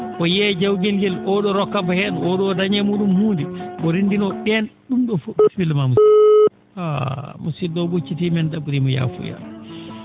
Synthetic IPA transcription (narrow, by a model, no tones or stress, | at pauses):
kɔjɛd͡ʒawɡɛlɡɛlʔɔɗɔɾɔkːabahɛnɔɗɔdaɲɛmuɗumhuːndiɓɔɾindinɔɗɛnɗumɗɔfoɓsbilmamusi | a̰musidɔɓut͡ʃːitimɛndabuɾimɔja̰fṵja̰l